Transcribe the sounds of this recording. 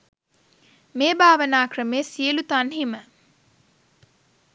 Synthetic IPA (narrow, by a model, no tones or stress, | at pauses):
meːbaːʋənaːkrəmeːsiəlut̪anɦimə